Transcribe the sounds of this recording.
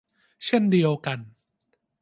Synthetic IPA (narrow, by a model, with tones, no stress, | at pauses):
t͡ɕʰe˥˩ndi˧əwka˧n